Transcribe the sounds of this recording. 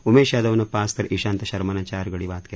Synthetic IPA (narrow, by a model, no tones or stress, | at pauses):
umeːʃjaːd̪ɐʋnɐpaːst̪ɐɾʔiʃaːnt̪ɐʃɐɾmɐnaːt͡ʃaːɾɡɐɽiʋaːt̪kɐ